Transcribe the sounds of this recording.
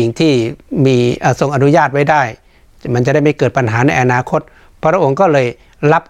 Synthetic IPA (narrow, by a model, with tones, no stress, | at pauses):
i˨˩ŋt̪ʰiː˥˩miː˧ʔəː˧˩so˨˩ŋʔa˧nu˦˥jaː˥˩t̪̚wa˥˩jdaː˥˩j | ma˧nt͡ɕa˨˩da˥˩jma˧˥˩kɤː˨˩t̪̚pa˧nɦaː˩˦na˧jʔa˧naː˧kʰo˧˦˥t̪̚ | pʰːɾa˧˥ʔo˧ŋkɔː˥˩lɤː˧j | la˦˥p̚